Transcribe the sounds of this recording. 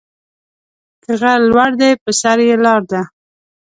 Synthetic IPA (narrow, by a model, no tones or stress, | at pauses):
həɣalwaɽd̪ajpəsaɾjelɑɾd̪a